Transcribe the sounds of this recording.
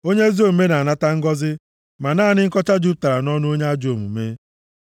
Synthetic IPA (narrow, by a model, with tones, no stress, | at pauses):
o˦ɲe˦zo˦˨m̩˨me˦na˨a˨na˦ta˦ŋ̩˦ɡɔ˦zɪ˦ | ma˨naː˦˨nɪ˦ŋ̩˦kɔ˦t͡ʃa˦d͡ʒu˦p̚ta˨ɾa˨nɔ˦nʊ˦o˦ɲe˦a˦d͡ʒo˨mu˨me˦